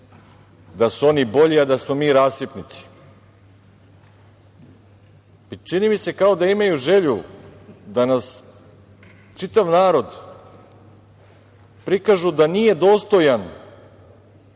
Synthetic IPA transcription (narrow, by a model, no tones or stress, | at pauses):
d̪asuo̞nibo̞ʎiad̪asmo̞miːɾaːssipnit̪si̥ | it͡ʃinimise̞kaod̪aimajuʒe̞ʎu | d̪anas | t͡ʃit̪aʋnaːɾo̞d̪ | pɾikaʒud̪anije̞d̪o̞ːst̪o̞jan